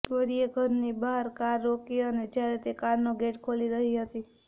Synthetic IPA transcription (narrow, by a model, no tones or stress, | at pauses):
pəɾijeɡʱəɾnibaɦaɾkaɾːokiəned͡ʒjaɾet̪ekaɾnoɡeʈkʰoliɾəɦiɦət̪i